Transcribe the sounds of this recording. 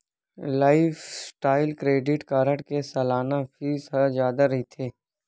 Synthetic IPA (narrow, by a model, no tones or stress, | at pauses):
laːɪfsʈaːɪlkɾeːɖɪʈkaːɾəʈkesɐlaːnafiːsɦɐzjaːd̪aɾɐɦit̪ʰeː